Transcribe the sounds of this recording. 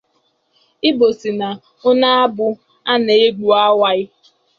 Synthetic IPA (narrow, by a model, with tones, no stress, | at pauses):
ɪ˦bo˨si˨na˨ | ʊ˦na˦a˦bʊ˦ | a˦ne˨e˦ɡ͡bu˨a˦wa˦ɪ˦